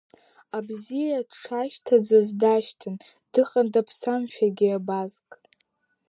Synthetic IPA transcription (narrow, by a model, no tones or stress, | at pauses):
abzijadʂʰaʃtʰad͡zazdaʃtʰɨn | d̥ɨqʼandapʰsamʃᶣaɡʲiabazkʼ